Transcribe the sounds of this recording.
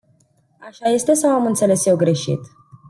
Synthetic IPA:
aʃaje̞st̪e̞sawamɨnt̪se̞le̞sje̞wɡɾe̞ʃḭt̪

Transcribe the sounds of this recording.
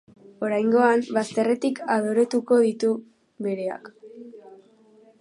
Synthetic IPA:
o̞ɾajŋɡo̞ambast̪e̞re̞t̪ikaðoɾet̪uko̞ðit̪u | βe̞ɾe̞a̰k

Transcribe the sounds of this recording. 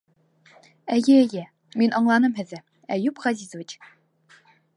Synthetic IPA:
æjɘæjɘ | minʔɒɴlˠɑnɤmɦɘ̆ðɘ | æjʉpʁɑzʲizŏvʲit͡ɕ

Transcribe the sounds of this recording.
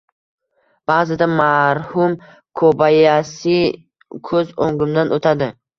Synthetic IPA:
b̥aːzɪd̪amaɾhʊm | kʰobajasɪ | kʰɵzoŋɡʊmd̪anʔot̪ʰad̪ɪ

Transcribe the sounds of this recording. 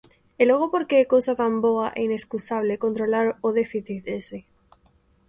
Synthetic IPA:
eloɣ̞opoɾkekowsat̪amboaʔḛine̞skusaβ̞leko̞nt̪ɾolaɾoð̞efiθit̪ese

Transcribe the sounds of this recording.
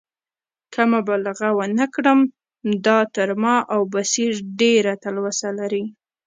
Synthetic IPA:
kʰamabalaɣawənəkɽəm | d̪ɑt̪əɾmɑʔawbasiɾɖeɾat̪alwasalaɾi

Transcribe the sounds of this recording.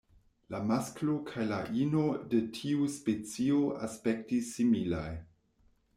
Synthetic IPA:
lamasklo̞kʰajlaʔino̞de̞tʰiuspe̞t͡sio̞aspe̞k̚tisːimilaj

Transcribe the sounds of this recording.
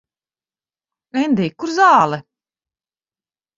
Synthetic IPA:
ɛnd̪ɛjkːuɾzaːlˠɛ

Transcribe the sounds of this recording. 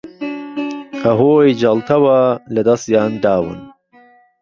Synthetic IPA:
kʰɐɦoːjd͡ʒɐlt̪ʰɐwɐlɐd̪ɐsjaːnd̪aːwə̰n

